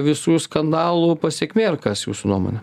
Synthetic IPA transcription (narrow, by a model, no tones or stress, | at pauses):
ʋʲɪsuːskɐnd̪ɑːlˠuːpɐsʲeɛkʲmʲeːrkɐsjṵːsʊnuɔmo̰ːnʲɛ